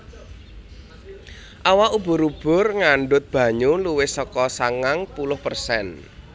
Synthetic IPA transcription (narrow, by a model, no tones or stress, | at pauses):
ʔawaub̥ʊ̤ɾub̥ʊ̤rŋaɳɖʊt̪̚b̥ä̤ɲuluwɪsɔkɔsaŋaŋpulʊhpərsɛn